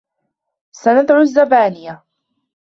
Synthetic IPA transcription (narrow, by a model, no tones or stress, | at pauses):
sanad̪ʕʊzːabaːnɪja